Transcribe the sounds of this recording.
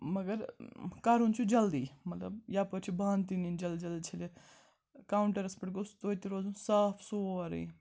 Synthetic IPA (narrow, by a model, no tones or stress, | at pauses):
mɐɡɐɾkaːɾunt͡ʃʰud͡ʒɐld̪iːmɐt̪lɐ̰bjaːpɐɾt͡ʃʰibãːnt̪inind͡ʒɐld̪d͡ʒɐld̪it͡ʃʰɐle | kaːuɳʈɐɾɐspɐʈɡost̪oːt̪iɾoːzũsaːpʰsoːɐɾḛ̃i